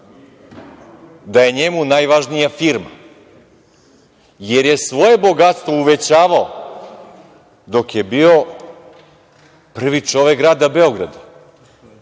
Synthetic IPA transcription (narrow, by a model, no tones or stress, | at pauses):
d̪aje̞ɲemunajʋaʒnijafiɾma̰ | jeɾje̞sʋo̞je̞bo̞ɡat̪st̪ʋo̞uʋet͡ɕaːʋao | d̪o̞kjebio̞ | pr̩ʋit͡ʂo̞ʋekɡɾaːd̪abe̞o̞ɡɾad̪a